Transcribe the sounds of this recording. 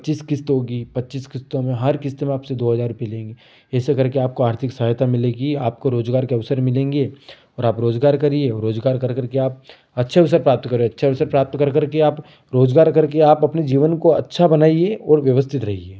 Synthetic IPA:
t͡ʃiːskɪst̪ɦoɡipɐtːt͡ʃiːskɪst̪õmẽɦɐɾkɪst̪mẽaːpsed̪oːɦɐzaːɾːʊpelẽːŋɡe | ɛːsekɐɾkeaːp̚koaːɾt̪ʰɪksaɦt̪ʰamɪleɡiaːp̚koɾoːd͡ʒɡaːɾkeɐʋsəɾmɪlẽːŋɡe | ɔːɾaːpɾoːd͡ʒɡaːɾkɐɾieɔɾoːd͡ʒɡaːɾkɐɾkɐɾkeaːp̚ | ɐtːʃʰeɐʋsəɾpɾaːp̚t̪kɐɾoɐtːʃʰeɐʋsəɾpɾaːp̚t̪kɐɾkɐɾkeaːp | ɾoːd͡ʒɡaːɾkɐɾkeaːpɐpned͡ʒiːʋənkoɐtːʃʰabɐnaːieɔːɾʋjɐʋəst̪ʰɪt̪ɾɐɦieː

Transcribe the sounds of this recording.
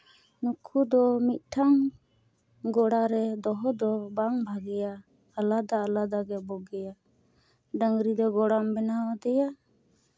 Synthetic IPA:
nukʰud̪ɔmit̪̚ˀʈʰaŋ | ɡɔɽaɾɛd̪ɔɦɔd̪ɔbaŋbʱaɡɛjaː | lad̪aəlad̪aɡɛbɔɡɛja | ɖaŋɾid̪ɔɡɔɽambɛnawad̪ɛja

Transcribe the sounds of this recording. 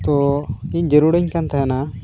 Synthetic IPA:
t̪ɔic̚d͡ʒeɾuɽəɲkant̪aɦɛna

